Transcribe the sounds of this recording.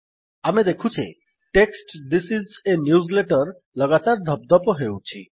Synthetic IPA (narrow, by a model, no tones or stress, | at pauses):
amed̪ekʰut͡ʃʰḛ | ʈeksʈd̪isizenjuzleʈɔɾ | lʌɡat̪aɾd̪ʱɔb̚d̪ɔpoɦewt͡ʃʰi